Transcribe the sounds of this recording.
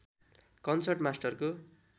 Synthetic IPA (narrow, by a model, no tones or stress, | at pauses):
kʌnsʌrʈmasʈʌrko